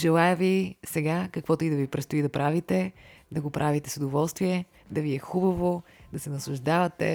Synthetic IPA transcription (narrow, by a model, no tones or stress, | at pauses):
ʒɛlˠajəvisɛɡakɐkvɔt̪ʊid̪ɐvipɾɛt̪st̪ʊid̪ɐpɾʔavit̪ɛ | d̪ɐɡopɾʔavit̪ɛsʊd̪ovɔlˠst̪viɛ | d̪ɐviɛxubɐvod̪ɐsɛnɐslˠʊʒd̪avɐt̪ɛ̰